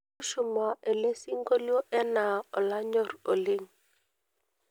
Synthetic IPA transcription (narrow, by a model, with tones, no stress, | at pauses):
ʃu˨ma˨ʔe˨le˦si˦ŋɡo˦ljo˦ʔɛ˦na˨ɔ˨la˦ɲɔ˦˨ɾo˨li˦ŋ